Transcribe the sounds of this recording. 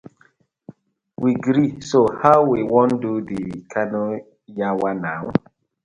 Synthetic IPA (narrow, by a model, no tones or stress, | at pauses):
wiɡɾisohawwiwɔ̃ndudikʰano | jawanaw